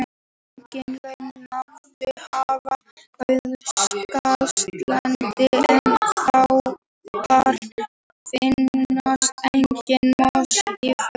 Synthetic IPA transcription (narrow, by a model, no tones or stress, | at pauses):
ɲcɪnlœnaɾðɪhava | œðʏskast̪lant̪t̪ɪɛnfaw | kaɾ | fɪnːast̪ɛjɲcɪnmast̪if